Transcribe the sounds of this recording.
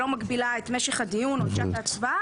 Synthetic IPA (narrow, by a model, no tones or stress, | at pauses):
lo̞maɡbilaet̪meʃeχad̪ijunoʃat̪at͡sva